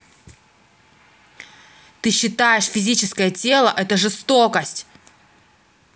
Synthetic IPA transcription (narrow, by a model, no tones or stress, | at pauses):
t̪ɨɕːɪt̪ajɪʂfʲɪzʲit͡ɕɪskəjətʲe̞lˠəʔɛt̪əʐɨst̪okəsʲtʲ